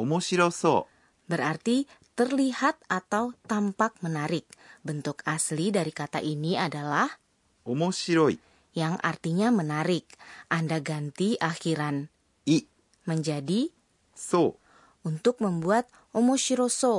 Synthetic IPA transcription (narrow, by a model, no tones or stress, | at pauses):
omosiɾoso̰ | bəɾart̪it̪ərlihat̪̚at̪awt̪ampak̚mənaɾɪk̚bənt̪ʊkaslidaɾikat̪a̰ʔiniadalah | omosiɾoḭ | jaŋʔa̰rt̪iɲamənaɾɪk̚ʔandaɡant̪iʔaxiɾan | i | məɲd͡ʒadi | so | unt̪ʊk̚məmbuat̪̚ | ʔomosiɾoso